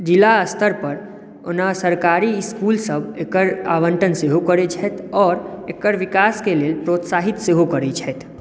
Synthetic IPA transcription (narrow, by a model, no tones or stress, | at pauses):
d͡ʒilaəst̪ʰəɾpəɾ | o̰nasəɾkaːɾiɪskuːlsəbekəɾa̰ʋəɳʈənseɦokəɾed͡ʒʰɛt̪ʰɔːɾekəɾʋikaːskeleːlpɾoːt̪saːɦit̪seɦokəɾet͡ʃʰɛt̪